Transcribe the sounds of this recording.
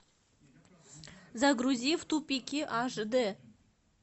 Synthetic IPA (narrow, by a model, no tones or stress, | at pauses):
zaɡɾuzʲift̪upʲikʲiʔɑʒd̪ə